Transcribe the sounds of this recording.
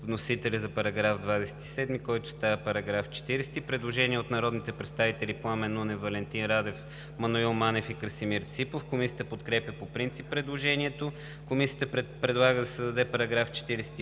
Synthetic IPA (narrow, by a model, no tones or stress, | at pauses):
vnosit̪ɛlʲəzɐpɐɾɐɡɾavd̪vad̪ɛsɛ̥t̪i̥sɛd̪mikɔjt̪ʊ̥st̪avɐpɐɾɐɡɾaft͡ʃɛ̥t̪iɾɛst̪ipɾɛd̪lˠoʒɛniɛot̪nɐɾɔd̪nit̪ɛpɾɛt̪st̪avit̪ɛlʲiplˠamɛnunɛvɐlɛnt̪inɾad̪ɛf | mɐnoilˠmanɛfikəɾsimiɾt̪sipofkomisiə̥t̪əpot̪kɾɛpʲjəpopɾint̪sipːɾɛd̪lˠoʒɛniɛt̪o | komisijət̪əpɾɛpɾɛd̪lˠaɡəd̪ɐsəd̪ɐd̪ɛpɐɾɐɡɾaft͡ʃɛ̥t̪iɾɛsɛ̥t̪i